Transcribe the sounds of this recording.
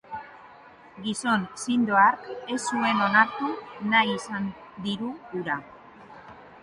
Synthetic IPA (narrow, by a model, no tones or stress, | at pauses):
ɡiso̞nsind̪o̞aɾke̞sːue̞no̞naɾt̪unajisand̪iɾuːɾa